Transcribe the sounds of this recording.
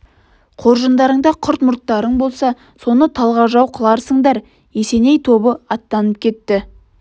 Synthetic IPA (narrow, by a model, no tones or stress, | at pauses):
qʰo̞ɾʒənd̪ɑɾəɴd̪ɑqʰʊɾt̪mʊɾt̪ːɑɾəɴbo̞lˠsɑ | so̞nət̪ʰɑlˠʁɑʒɑwqʰəlˠɑɾsəɴd̪ɑɾ | jese̞ne̞jt̪ʰo̞bəɑt̪ːɑnəp̚kʲʰe̞t̪ːɪ